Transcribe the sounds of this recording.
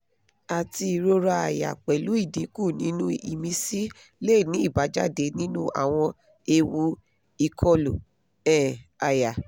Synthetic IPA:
a˨ti˧i˧ɾo˦ɾa˧a̰˨ja̰˨k͡pɛ˨lu˨˦i˦˨dĩ˨˦kũ˦˨nĩ˨˦nũ˦ḭ˨mĩ˧si˦ | le˦˨nĩ˦i˦˨ba˨˦d͡ʒa˦de˨˦nĩ˦nũ˦a̰˦˨w̃ɔ̃˧ | e˧wu˧ | i˧kʰɔ˦lo˨ | ɛ˦˨a˨ja˨

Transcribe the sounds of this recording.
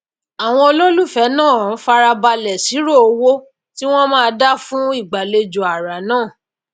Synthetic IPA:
a˨w̃ɔ̃˧o˧lo˦lu˦˨fɛ˨˦nãː˦˨˦fa˧ɾa˧ba˧lɛ˨si˨˦ɾo˦˨o˧wo˦ | ti˦w̃ɔ̃˦mãː˦˧da˦fũ˦i˦˨ɡ͡ba˨le˧d͡ʒo˨a˨ɾa˨nãː˦˨

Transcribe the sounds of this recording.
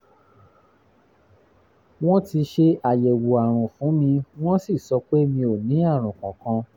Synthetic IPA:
w̃ɔ̃˦ti˧ʃe˧a˨je˨wu˨a˨ɾ̃ɔ̃˨fũ˨˦mĩ˧w̃ɔ̃˦si˦˨sɔ˧k͡pe˦mĩ˧o˨nĩ˨˦a˦˨ɾ̃ũ˨kã˨kã˧

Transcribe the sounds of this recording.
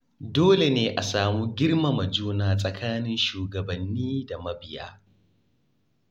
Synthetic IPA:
doː˦le˨neː˦ʔa˨saː˨muː˦ɡʲɪ˦rmɐ˨mɐ˨d͡ʒuː˦naː˨sʼɐ˨kʰaː˦nɪ˦nʃuː˨ɡɐ˨bɐ˨nːiː˦da˨mɐ˦bɪ˨ja̰ː˦

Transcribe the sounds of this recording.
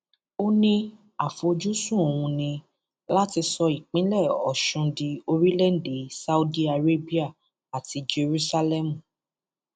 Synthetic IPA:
o˦nĩ˧ | a˨fo˨˧d͡ʒu˦sũ˦˨o˨wũ˧nĩ˧ | la˦ti˧sɔ˧i˨k͡pĩ˨˦lɛ˦˨ɔ̰˨ʃũ˧di˧o˧ɾi˦lɛ˦˨n̩˦˨de˨˦sa˦u˦di˦a˧ɾe˦bi˦a˦˨ | a˨ti˧d͡ʒe˧ɾu˦sa˧lɛ˦˨mũ˨

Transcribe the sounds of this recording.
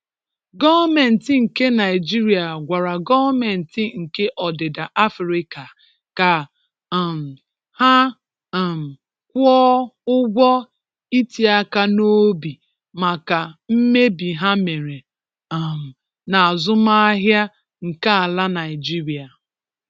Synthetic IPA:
ɡɔ˦vme˨n̩˨tɪ˨ŋ̩˨ke˦na˨ɪ˨d͡ʒi˦ɾi˨a˨ɡʷa˨ɾa˨ɡɔ˦vme˨n̩˨tɪ˨ŋ̩˨ke˦ʔɔ˨de˨da˨ʔa˦fɾi˦ka˨ | ka˨ | m̩˨ | ha˦˨ | m̩˨ | kʷɔ˦ʊ˦ɡʷɔ˦ | i˦ti˨a˦ka˦no˦bi˨ | ma˨ka˨m̩˦me˦bi˨ɦa˦me˨ɾe˨ | m̩˨ | na˨a˨zʊ˦ma˦ɦja˦ | ŋ̩˨ka˦a˨la˦na˨ɪ˨d͡ʒi˦ɾi˨a˨

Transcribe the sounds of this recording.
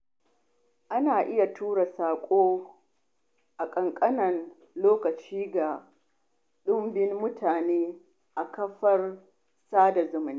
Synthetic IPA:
ʔa˦naː˨ʔɪ˦ja˨tuː˦ɽa˨saː˨kʷʼoː˦ | ʔa˨kʼɐ˨ŋkʼɐ˦nɐ˨n | loː˦kɐ˨t͡ʃiː˦ɡa˨ | ɗʊ˦mbɪ˦nːʊ˦tʰaː˨neː˦ | ʔa˨kɐ˦ɸɐ˦r | saː˦da˨zʊ˦mʊ˨ni˦

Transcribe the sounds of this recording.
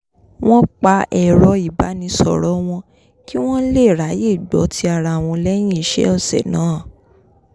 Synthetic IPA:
w̃ɔ̃˦k͡pa˧ʔɛ˨ɾɔ˧i˨ba˨˦nĩ˧sɔ˨ɾɔ˦w̃ɔ̃˧ | ki˦w̃ɔ̃˦le˦˨ɾa˨˦je˦˨ɡ͡bɔ˨˦tʰi˧a˧˨ɾa˧˦˨w̃ɔ̃˧lɛ˦j̃ĩ˦i˨ʃɛ̰˦ɔ˦˨sɛ̰˨nãː˨˦˨

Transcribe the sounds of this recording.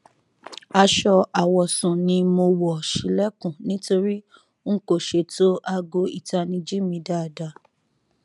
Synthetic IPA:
a˧ʃɔ˧a˨wɔ˨sũ˨nĩ˧mo˧wɔ˨ʃi˨lɛ˦kũ˨nĩ˨˦to˧ɾi˦ | ŋ̩˦ko˦˨ʃe˧˨to˦ʔa˧ɡo˧˦i˨ta˧nĩ˧d͡ʒi˦mĩ˧da˨da˧˨

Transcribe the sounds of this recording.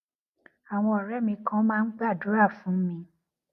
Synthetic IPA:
a˨w̃ɔ̃˧ɔ˨ɾɛ˦mĩ˧kã˦mãː˦˧˦n̩˦ɡ͡ba˦˨du˨˦ɾa˦˨fũ˨˦mĩ˧

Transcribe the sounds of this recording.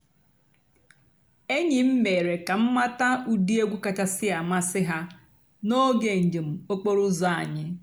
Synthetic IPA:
e˦ɲɪ˨m̩˦me˨ɾe˨ka˨m̩˦ma˦ta˦u˦di˦e˦ɡʷu˦ka˨t͡ʃa˦sɪ˦a˨ma˦sɪ˦ɦa˦ | no˦ɡe˨ɲ̩˨d͡ʒe˨m̩˨o˦k͡po˦ɾʊ˦za˦a̰˨ɲɪ˦

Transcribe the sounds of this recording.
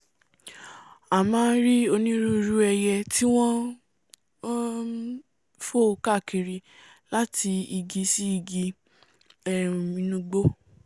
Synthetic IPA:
a˨mãː˦˧n̩˦ɾi˦o˧nĩ˦ɾu˦˧ɾu˦ɛ˧jɛ˧ti˦w̃ɔ̃˦ | fo˦˨˧ka˦˨ki˨ɾi˧ | la˦ti˧i˧ɡi˧si˦i˧ɡi˧ | ɛ̃˨ĩ˧nũ˧ɡ͡bo˦

